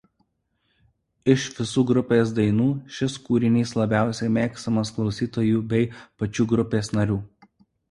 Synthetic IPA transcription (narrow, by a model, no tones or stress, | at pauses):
ɪʃʋʲɪsuːɡɾʊpʲeːs̬d̪ɐɪnuːʃʲɪskuːɾʲɪnʲiːslˠɐbʲæˑʊsʲɛɪmʲeːkst̪ɐmɐsklˠɒʊsʲiːt̪oːjuːbʲɛɪpɐt͡ʃʲuːɡɾʊpʲeːsnɐɾʲuː